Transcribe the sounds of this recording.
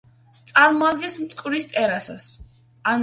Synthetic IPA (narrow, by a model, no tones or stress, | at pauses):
t̪sʼaɾmɔad̪ɡɛsmt̪ʼkʼwɾist̪ʼɛɾasa̰s | an